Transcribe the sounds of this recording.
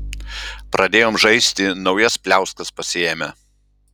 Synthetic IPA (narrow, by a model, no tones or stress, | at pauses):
pɾɐd̪ʲeːjoːmʒɐɪsʲt̪ʲɪnɒʊjɛspʲlʲæˑʊskɐspɐsʲɪɛmʲɛ